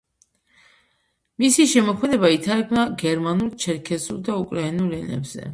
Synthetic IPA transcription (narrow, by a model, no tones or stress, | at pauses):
misiʃɛmɔkʰmɛd̪ɛbait̪ʰaɾɛkʰnaɡɛɾmanult͡ʃʰɛɾkʰɛzulˠd̪aukʼɾainulɛnɛ̰bz̥ɛ̰